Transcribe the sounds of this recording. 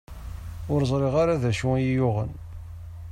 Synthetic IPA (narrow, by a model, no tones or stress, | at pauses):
ʊɾzˤɾˤeʁaɾaðæʃuæjijʊʁə̰n